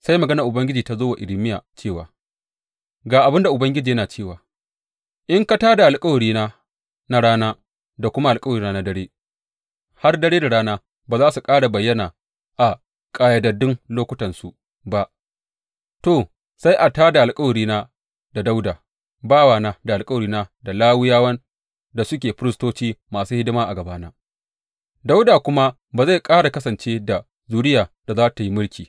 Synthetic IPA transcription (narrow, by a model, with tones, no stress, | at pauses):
sa˦jmɐ˨ɡɐ˦nɐ˨ʔʊ˨bɐ˦ŋɡʲɪ˦d͡ʒiː˨ta˦zoː˦wa˨ʔɪ˨lɪ˦mɪ˦ja̰ː˨t͡ʃeː˦˨wa̰ː˨ | ɡaː˨ʔa˨bɪ˦nda˨ʔʊ˨bɐ˦ŋɡʲɪ˦d͡ʒiː˨jɐ˦naː˨t͡ʃeː˦˨waː˨ | ʔɪ˦ŋka˦taː˦da˨ʔa˨lkʼa˦wɐ˨ɽiː˦naː˦ | na˦ɽaː˦naː˦ | da˨kʷʊ˦ma˦ʔa˨lkʼɐ˦wɾiː˦na˦na˦dɐ˦ɽeː˦ | ha˦rdɐ˦ɽeː˦da˨ɽaː˦naː˦ | baː˨zaː˦su˨kʼaː˦ɽa˨bɐ˨jːɐ˦naː˨ | ʔa˨ | kʼaː˨ja˦dɐ˨dɪ˦ŋloː˦kʷʊ˦tɐ˨nsu˨ | ba˦ʔ | to˨ | sa˦jʔa˨taː˦da˨ʔa˨lkʼɐ˦wɐ˨ɽiː˦na˦ | da˨da˦wdaː˨ | baː˦waː˨naː˦da˨ʔa˨lkʼwɐ˨ɽiː˦na˦da˨laː˦wʊ˦jaː˦wɐ˦n | da˨sʊ˦kʲeː˨ɸʊ˦ɾɪ˦stoː˦t͡ʃiː˦maː˨suː˦hɪ˦dɪ˦maː˦ʔa˨ɡɐ˨baː˦naː˦ | da˦wdaː˨kʷʊ˦ma˦ | baː˨za˦˨jkʼaː˦ɽa˨kɐ˦sɐ˨nt͡ʃeː˦da˨ | zuː˦ɽɪ˦jaː˨d̥a˨zaː˦ta˨ji˦mʊ˦ɽkʲiː˨